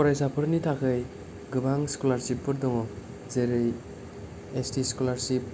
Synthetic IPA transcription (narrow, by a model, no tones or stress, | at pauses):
kɔɾajsapʰɯɾnitʰakʰɯj | ɡɯbaŋskolaɾsip̚ːɯɾdɔŋɔ | zeɾɯj | estiskɔlaɾsip̚